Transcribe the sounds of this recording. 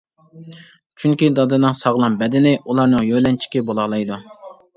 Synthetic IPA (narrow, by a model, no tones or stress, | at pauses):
t͡ʃʰyŋkʲid̪ɑd̪ɨnɨŋsɑʁlˠɑmbɛd̪ɪnɪʔulˠɑɾnɨŋjølɛnt͡ʃʰi̥kʲibolˠɑːlˠɑjd̪u